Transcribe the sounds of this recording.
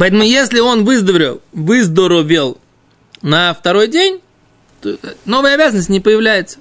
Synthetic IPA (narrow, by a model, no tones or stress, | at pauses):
pɐɛt̪əmʊjesʲlʲɪo̞nvɨzd̪əɾʲɪvɨzd̪əɾʊvʲelˠ | nəft̪ɐɾo̞jdʲenʲ | t̪ono̞vəjəɐbʲazənəsʲtʲnʲɪpəjɪvlʲæjɪt̪sə̥